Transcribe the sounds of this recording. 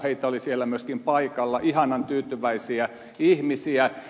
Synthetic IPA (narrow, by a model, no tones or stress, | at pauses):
heit̪ɑolisielːæmyøskimpɑikɑlːɑʔihɑnɑnt̪yːt̪yʋæisiæ | ihmisiæ